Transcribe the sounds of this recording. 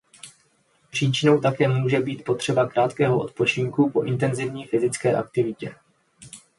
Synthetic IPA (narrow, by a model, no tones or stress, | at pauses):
pr̝̥iːt͡ʃɪno̞wt̪akɛːmuːʒɛbiːt̪po̞t̪r̥ɛbakɾaːt̪kɛːɦo̞ʔo̞t̪po̞t͡ʃɪŋkupo̞ʔɪnt̪ɛnzɪvɲiːfɪzɪt͡skɛːʔa̰k̚t̪ɪvɪcɛ